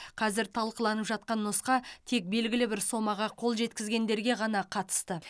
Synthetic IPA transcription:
qʰɑzɪɾt̪ʰɑlˠqəlˠɑnəpʒɑt̪̚qɑnːosqɑt̪ʰe̞k̚be̞lɡʲɪlɪbɪɾso̞mɑʁɑqʰo̞lˠʒe̞t̪kʲɪzɡʲe̞nd̪e̞ɾɡʲe̞ʁɑnɑqʰɑt̪ə̥st̪ə

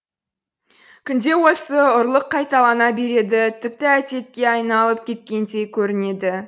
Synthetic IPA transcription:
kʲʰʏnd̪e̞wo̞səʊɾlˠəqʰːɑjt̪ɑlˠɑnɑbe̞ɾe̞d̪ɪt̪ʰɪpt̪ɪæt̪e̞t̪̚kʲe̞ɑjnɑlˠəp̚kʲʰe̞t̪̚kʲe̞nd̪e̞jkʲʰɵɾɪne̞d̪ɪ

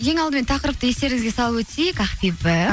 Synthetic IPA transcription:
kʰe̞ŋɑlˠd̪əmet̪ʰɑqəɾəp̚t̪əje̞st̪e̞ɾɪŋɪzɡʲesɑlˠəpwɵt̪sejɪkɑχfibə

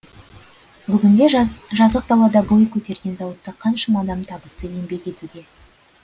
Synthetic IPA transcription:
bʏɡʲɪnd̪e̞ʒʒɑzəq̚d̪ɑlˠɑd̪ɑbo̞jkʲʰɵt̪e̞ɾɡʲe̞nzɑwət̪ːəqʰɑnʃəmɑd̪ɑmt̪ʰɑbəst̪əje̞mbe̞kʲe̞t̪ud̪e̞

